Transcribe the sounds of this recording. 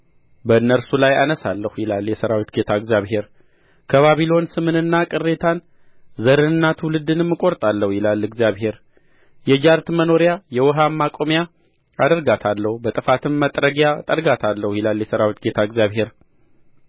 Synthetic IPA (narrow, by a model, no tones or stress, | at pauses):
bənːəɾsulajanəsalːəhujɪlaljɛsəɾawit̪ɡe̞t̪ʰaɨɡzjaβɦe̞ɾ | kʰəβaβilo̞nsɨmɨnɨnːakʼɨrːe̞t̪ʰan | zəɾɨnɨnːat̪ʰwlɨd̪ɨnɨmːɨkʼo̞ɾt̪ʼalːəhujɪlalːɨɡzjaβhe̞ɾ | jɛd͡ʒaɾt̪məno̞ɾjajɛwɔɦamːakʼomja | ad̪əɾɡat̪ʰalːəhubət̪ʼɨfat̪ʰɨmːət̪ʼɾəɡjat̪ʼəɾɡat̪ʰalːəhujɪlaljɛsəɾawit̪ɡe̞t̪ʰaɨɡjaβɦe̞ɾ